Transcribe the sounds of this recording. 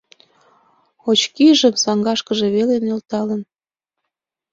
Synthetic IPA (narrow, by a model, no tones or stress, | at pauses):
ot͡ɕkiʒəmsɑŋɡɑʃkəʒe̽βelenelt̪ɑlən